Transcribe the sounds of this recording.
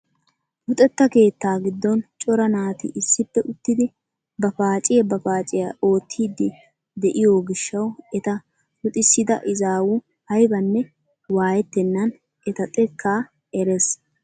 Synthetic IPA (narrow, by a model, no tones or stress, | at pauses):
hʊt̪ʼɛt̪ːɐke̞ːt̪ːaːɡɪd̪ːɔnt͡ʃʼɔɾɐnaːt̪ɪ̰ʔɪsːɪpːɛʔʊt̪ːɪd̪ɪ | bɐfaːt͡ʃʼɪjɐbɐfaːt͡ʃʼɪjɐʔo̞ːt̪ʰːiːd̪ːɪ | d̪ɛʔɪjoɡɪʃːɐwɛt̪ɐ | hʊt̪ʼɪsːɪd̪ɐ̰ʔɪzaːwu | hɐjbɐnːɛ | waːjɛt̪ːɛnːɐn | ʔɛt̪ɐt̪ʼɛkːaː | ɛɾɛs